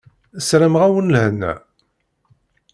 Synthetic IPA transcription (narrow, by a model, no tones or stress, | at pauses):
əsɾəmʁæwənlhənːæ̰